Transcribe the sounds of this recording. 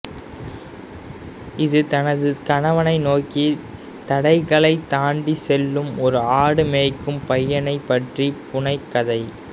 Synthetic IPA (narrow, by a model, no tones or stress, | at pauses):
ɪðɯt̪ɐnɐðɯkɐɳɐʋɐnɐɪnoːki | t̪ɐɽɐɪɣɐɭɐɪt̪aːɳɖisɛlːɯmɔɾɯaːɽɯmeːkːɯmpɐjːɐnɐɪpːɐʈripʊɳɐɪkːɐðɐɪ